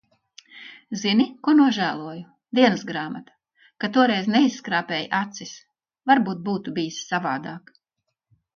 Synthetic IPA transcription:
zinikuɔnuɔʒæːlˠuɔju | d̪iɛnɨsɡɾaːmat̪ḁ | kat̪uɔɾɛjznɛisːkɾaːpʲeːjʔat̪sis | vaɾbuːt̪̚buːt̪ubijissavaːd̪aːk

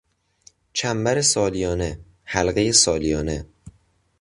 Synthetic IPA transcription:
t͡ʃʰæmbæɾe̞sɒːlijɒːne | hælɢejesɒːlijɒːne̞

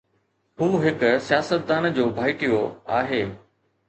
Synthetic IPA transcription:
ɦũːɦɪksijaːsət̪̚d̪aːnd͡ʑoːbʱaːɪʈijoaːɦeː

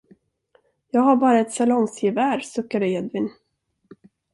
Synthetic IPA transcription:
jɑːɡhaɾbɑːɾaɛt̪salɔŋsjɪvæːɾsɵkːad̪əɛd̪vɪn

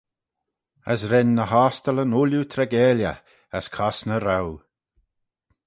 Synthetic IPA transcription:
ə̰sɾɛnːəhaːst̪ələnuljut̪ʰɾɛɡɛːljə̰ | əskʰɔsnəɾaw

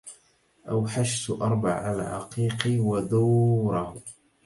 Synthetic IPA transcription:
ʔawħaʃt̪ʔɑɾˤba̰ʕʕalaʕa̰qiːqiwad̪uːɾˤɑh

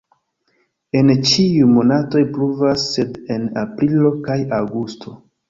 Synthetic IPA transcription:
e̞nt͡ʃiumo̞nato̞jpluvasːe̞de̞na̰pɾilo̞kajawɡustʰo̞

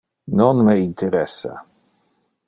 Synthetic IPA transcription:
nɔnmeint̪ʰɛɾɛsa̰

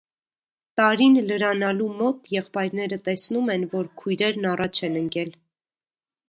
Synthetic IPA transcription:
t̪ɑɾinləɾɑnɑlumɔt̪jɛχpɑjɾnɛɾət̪ɛsnumɛnvɔɾkʰujɾɛɾnɑrɑt͡ʃʰɛnəŋkɛl

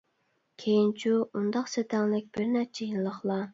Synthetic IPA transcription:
kʲʰejint͡ʃʰuund̪ɑqset̪ʰɛŋlɪk̚ʲb̥ɪɾnɛt͡ʃʰijinlˠəχlˠɑ

